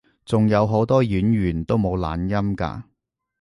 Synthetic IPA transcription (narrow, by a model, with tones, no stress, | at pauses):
t͡sʊ˨ŋjɐ˨˧wɦo˨˥wt̪ɔː˥jyː˨˥nɥyː˨˩nt̪o˥wmo˨˧wla̰ː˨˥njɐ˥mka̰ː˧